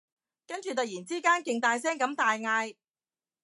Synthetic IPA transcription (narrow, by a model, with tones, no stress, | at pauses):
kɐ˥nt͡ʃy˨t̪ɐ˨˩jiː˨˩nt͡siː˥kaː˥nkɪ˨ŋt̪aː˨js̬ɛː˥ŋkɐ˨˥mt̪aː˨jŋaː˧j